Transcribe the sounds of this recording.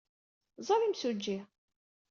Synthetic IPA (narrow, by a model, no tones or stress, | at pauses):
zˤɑlimsud͡ʒːi